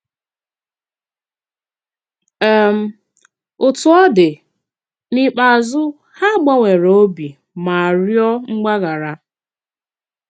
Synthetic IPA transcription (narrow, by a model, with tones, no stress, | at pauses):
ɛ˦˨m̩˦ | ʊ˨tʊ˦ɔ˦dɪ˨ | ni˨k͡pa˨zʊ˦ | ha˦˨ɡ͡ba˦ŋʷe˨ɾo˦bi˨ | ma˨ɾjɔ˦ŋ͡m̩˦ɡ͡ba˦ɡa˨ɾa˦